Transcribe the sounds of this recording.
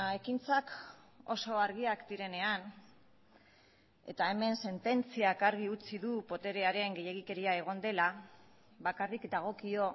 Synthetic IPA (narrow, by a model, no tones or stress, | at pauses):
e̞kint͡sako̞̰so̞aɾɣ̞iakd̪iɾe̞ne̞an | e̞̰t̪ae̞me̞nse̞nt̪e̞nt͡siakaɾɣ̞iut͡siðupo̞t̪e̞ɾe̞aɾe̞ŋɡe̞je̞ɣ̞ike̞ɾiae̞ɣ̞o̞nd̪e̞la | βakarikd̪aɣ̞o̞kio̞